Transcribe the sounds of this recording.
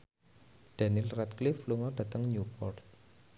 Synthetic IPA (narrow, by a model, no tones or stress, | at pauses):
d̪̥a̤nilrɛt̪̚klifluŋɔɖ̥a̤t̪əŋɲupɔrt̪̚